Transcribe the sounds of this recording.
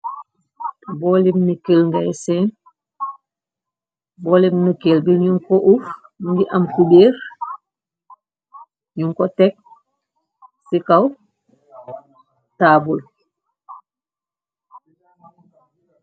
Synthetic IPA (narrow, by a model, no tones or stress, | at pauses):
bɔlimnikəlŋɡajsɛːn | bɔːlibnukelbiɲuŋkoʔuf | ɡiʔɐmkubeːɾ | ɲuŋkɔtɛk̚ | sikaw | taːbul